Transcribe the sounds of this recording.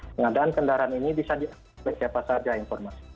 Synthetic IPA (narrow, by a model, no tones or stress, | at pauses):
pəŋadaankəndaɾaninibisadia | əsiapasard͡ʒainfɔrmasi̥